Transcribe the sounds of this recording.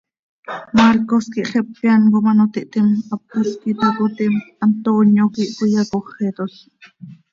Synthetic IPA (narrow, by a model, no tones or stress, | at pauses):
maɾkoskiʔχepːjankomanot̪iʔt̪imap̚uskit̪akot̪imant̪onjokiʔtujɑkoχet̪oɬ